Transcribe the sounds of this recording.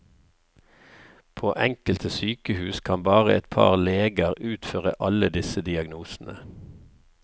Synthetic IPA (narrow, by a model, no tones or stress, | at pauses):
pʰoːʔɛŋkəlt̪ʰəsyːkəhʉːskʰɑmbɑːʁəɛt̪pʰɑ̰ːʁleːɡəʁʉːt̪føːʁəʔɑləd̪ɪsəd̪ɪɑɡnuːsn̩ə